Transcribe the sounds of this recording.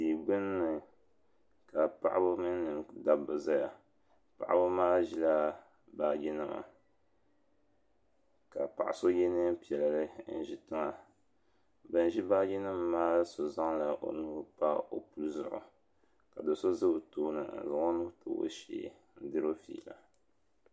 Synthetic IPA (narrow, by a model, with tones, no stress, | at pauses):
i˨ɡ͡bɨ˦nː˦ɨ˨ | ka˨pa̰˨ʔa˦bo˦mɨ˦nː˦ɨ˨mda˨bɨ˨za˦ja˨ | pa̰˨ʔa̰˦bo˦maː˦ʒi˦la˦ | baː˦ɡi˦nɨ˦ma̰˨ | ka˨pa̰˨ʔa̰˨so˦jɛ˦nɨ˦pi˨ɛ˨la˨lɨ˦n̩˦˨ʒi˦tɨ˦ŋa˦ | bɨ˨n˨ʒi˦ba˦ɡi˦nɨ˦mː˦aː˦so˨za˦ŋla˨ʔo̰˨nuː˦pa˦o˨pu˦lzʊ̰˨ʔʊ̰˨ | ka˨do˨so˦zɨ˦btoː˦nɨ̰˨za˨ŋo˦nu˦to̰˨˦o̰˦ʃḭ˨ | n̩˦dɨ˦ɾo˦fḭː˨la̰˨